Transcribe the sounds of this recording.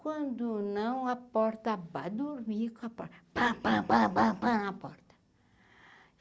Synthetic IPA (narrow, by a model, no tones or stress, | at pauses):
kwɐ̃nd̪ʊnɐ̃w̃ɐpɔɾt̪ɐvad̪uɾmiɾkõɐpɔɾt̪ɐvababababañpɔɾt̪ɐ̥